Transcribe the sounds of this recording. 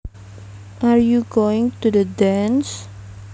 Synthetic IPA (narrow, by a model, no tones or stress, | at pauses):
ʔaɹjuɡoɪ̃ŋt̪udədɛ̃ns